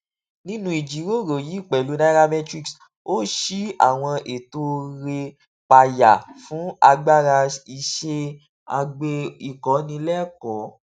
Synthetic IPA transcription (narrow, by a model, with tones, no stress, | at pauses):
nĩ˦nũ˦i˨d͡ʒi˨˦ɾo˦˨ɾo˨ji˨˦i˦˨k͡pɛ˨lu˨˦na˦ɾa˧mɛ̃˦tɾi˦˧ks | o˦ʃi˦a̰˦˨w̃ɔ̃˧ʔe˨to˧˦ɾe˧ | k͡pa˧ja˨fũ˨˦a˧ɡ͡ba˦˨ɾa˧i˨ʃe˧ | a˧ɡ͡be˧i˨kɔ˨˦nĩ˧lɛ˦˨kɔ˨˦